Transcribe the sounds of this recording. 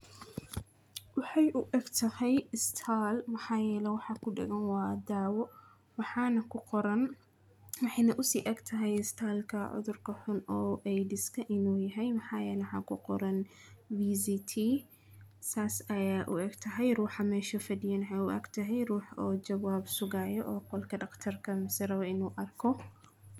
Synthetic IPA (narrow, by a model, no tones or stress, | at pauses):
wɑħɑjʔʊʔɛɡt̪ʰɐhɛjɪst̪ʰaːlmɐħɑːjɛːlɛwɑħɑkʰʊɖɛ̰ɡɐnwɑːd̪aːwɔ | wɑħɑːnɐkʰʊqɔɾɐn | wɑħɑjnɐʔʊsiːʔɛɡt̪ʰɐɦɛjɪst̪ʰaːlkʰɐʕʊ̰ðʊrkʰɐħʊnɔːʔɛjdɪskʰɐʔɪnuːjɐɦɛjmɐħɑːjɛːlɛwħɑ̰ːkʰʊqɔɾɐn | biːzit̪ʰiː | saːsɐjaːʔʊ̰ʔɛɡt̪ʰɐɦɛjruːħɑmɛːʃɐfɐdɪjanħɛjʊʔɛ̰ɡt̪ʰɐɦɛjruːħɔːt͡ʃɐwaːbsʊɣaːjɔʔɔːqɔlkʰɐɖɐqt̪ʰɐrkʰɐmɪsɪɾɐβɐɪnuːʔɐrkʰɔ